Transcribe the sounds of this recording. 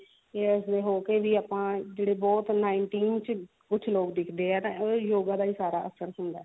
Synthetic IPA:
eːəsd̪eːɦoːkeːʋiːaːpãːd͡ʒeːɽeːbɔːt̪naːɪɳʈiːnt͡ʃ | kʊt͡ʃʰloːkd̪ɪkʰd̪eːɛːt̪ãːoːjoːɡãːd̪aːiːsaːɾa̰ːʔəsəɾɦʊnd̪a̰ːɛː

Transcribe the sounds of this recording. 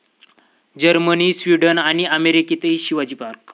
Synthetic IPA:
d͡ʑəɾmənisʋiɖənaɽ̃iəmeɾikit̪eiɕiʋad͡ʑiːpaɾk

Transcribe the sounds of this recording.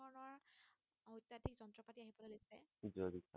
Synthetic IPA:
ɔɹɔnɔɹ | ɦojtadikzɔntɹɔpatiaɦibɔlolojsɛid͡ʒɔdika

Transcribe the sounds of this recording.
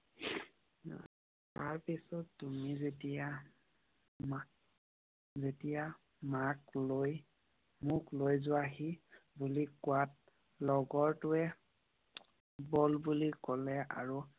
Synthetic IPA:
taɹpisɔtːumizetia | ma | zetija | makloj | muklojzʊaɦibulikʊwat̚ | lɔɡɔɹtʊɛ | bɔlbulikɔlɛa̰ɹu

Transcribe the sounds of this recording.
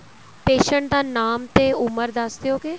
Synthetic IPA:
peːʃəɳʈd̪aːnaːmt̪eːʊməɾd̪əsd̪ejoːkeː

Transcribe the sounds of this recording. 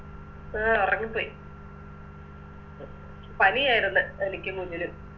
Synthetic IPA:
aurɐŋːipːoːji | pɐlijaːjiɾunːɨenikʲːɨkud͡ʑilum

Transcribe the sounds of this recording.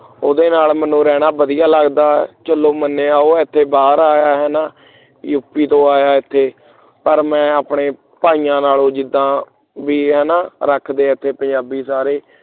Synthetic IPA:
oːd̪eːnaːlmənũːɾɛːɽ̃aːbəd̪ɪjaːləɡd̪aːt͡ʃəlːoːmənːeːaːoːɪt̪ʰːeːbaːɾaːjaːɦɛːnaː | jupːiːt̪õːaːjaːɪt̪ʰːeː | pəɾmɛ̃ːaːpɳeː | paːiːjãːnaːlõːd͡ʒɪd̪ːãː | biːɦɛːnaːɾəkʰd̪eːɪt̪ʰːeːpə̃ɲd͡ʒaːbiːsaːɾeː

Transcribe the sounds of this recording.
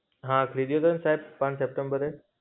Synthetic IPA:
ɦãkʰəɾiɗ̪ijot̪ʰɐɾnsaːɦɪb̚pːãɲsep̚ʈə̃mbəɾe

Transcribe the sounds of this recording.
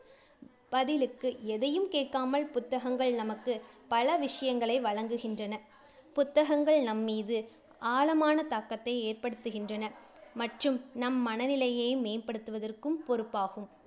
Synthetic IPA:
b̥ɐðɪlɯkːɯɛðɐjɯmkeːʈkaːmɐɭpʊt̪ːɐɣɐŋɡɐɭnɐmɐkːɯpɐɭɐʋɪʂɐjɐŋɡɐɭɐɪʋɐɻɐŋɡɯɣɪndrɐnɐ | pʊt̪ːɐɣɐŋɡɐɭnɐmːiːðɯ | ʔaːlɐmaːnɐt̪aːkːɐt̪ːɐɪeːrpɐɽɯt̪ːɯɣɪndrɐnɐ | mɐʈrɯmnɐmːɐnɐnɪlɐjeːmeːnpɐɽɯt̪ːɯʋɐðɐrkɯmpɔɾɯpːaːɣɯm

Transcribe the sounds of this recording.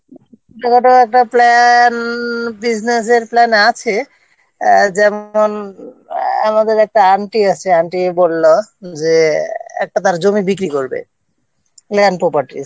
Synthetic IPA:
tokɔʈoɛk̚ʈaplɛnbid͡ʑnes̬eɾplɛnat͡ɕʰe | d͡ʑɛmon | amad̪eɾɛk̚ʈaaɳʈiat͡ɕʰeaɳʈiebolːod͡ʑeɛ̰k̚ʈat̪aɾd͡ʑomibikɾikoɾbḛ | plɛnpɾɔpaɾʈḭ

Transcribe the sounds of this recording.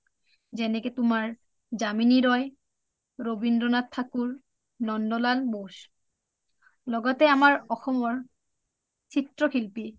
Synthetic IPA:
zɛnɛkɛtʊmaɹ | zaminiɹɔj | ɹobindɔnatt̪ʰːakuɹ | nɔndɔlalbos | lɔɡɔtɛamaɹɔxɔmɔɹ | sʰitɹɔkʰilpi

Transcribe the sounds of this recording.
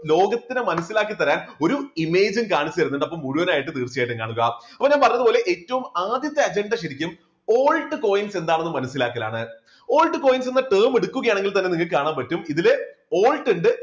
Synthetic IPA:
lo̞ːɡɐt̪ːinɨmɐnɐsːilaːkːit̪ːɐɾaːno̞ɾuime̞ːd͡ʑɨmkaːɳit͡ɕːɐɐɾunːuɳɖɐpːomːuɻuʋɐnaːjiʈ̬ːɨt̪iːrt͡ɕːijeːjʈːɨŋka̰ːɳuɣɐɐpːoɲaːnpɐrɐɲːɐðɨpoːle̞ʔeːtːɐʋumaːd̪jɐt̪ːeɐd͡ʑeɳɖɐɕɐɾikʲːum | o̞ːlʈːɨko̞ːjinse̞nd̪aːɳenːɨmɐnɐsːila̰ːkːɐla̰ːɳɨ | o̞ːlʈːɨko̞ːjinse̞nːɐʈeːmeɽukːuɣɐjaːɳeŋɡilt̪ɐnːe̞niŋːɐlkaːɳaːmpɐtːumiðilo̞ːlʈːeɳɖɨ

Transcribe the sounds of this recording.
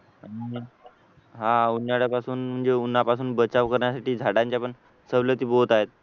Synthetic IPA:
aɽi | ɦãunːaɽjapasuːnm̤əɳd͡zeunːapasuːnbət͡saʋkəɾɳjasaʈiːd͡zʱaɽãɲt͡ɕjapəɳ | səʋlət̪iːbot̪aɦet̪̚

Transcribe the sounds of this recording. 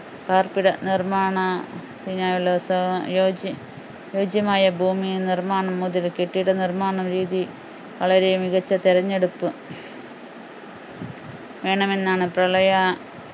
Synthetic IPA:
paːrpiɽɐnirmaːɳɐ | t̪iɲaːjulsɐjoːd͡ʑ | jo̞ːd͡ʑjɐmaːjɐbʱuːminirmaːɳɐmːuðilkeʈːiɽɐnirmaːɳɐmɾiːði | ʋɐɭɐɾemiɣɐt͡ɕːɐt̪iɾɐɲːe̞ɽupːɨ | ʋe̞ːɳɐme̞nːaːɳɨprɐɭɐjɐ

